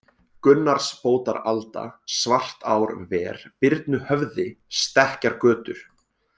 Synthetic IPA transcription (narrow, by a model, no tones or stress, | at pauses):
kʏnːaɾ̥spoːwt̪a̰ɾalt̪a̰svar̥t̪aːwɾvɛːɾ̥pɪɾt̪nʏhœvðɪst̪ɛhcaɾkœːt̪ʏɾ̥